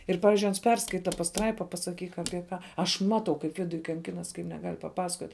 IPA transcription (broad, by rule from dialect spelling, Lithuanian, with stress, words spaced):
ˈɪr ˈpɑːʋʲɪzʲd͡ʒʲʊɪ ˈɐns ˈpʲɛrskɐɪtɐ pɐsˈtrɐɪpɐ pɐsɐˈkʲiːk ɐpʲiɛ ˈkɑː ɐʃ ˈmɑːtɐʊ kɐɪp ˈʋʲɪdʊj kɐŋʲˈkʲɪnɐs kɐɪp nʲɛˈɡɐlʲ pɐˈpɑːsɐkoːtʲ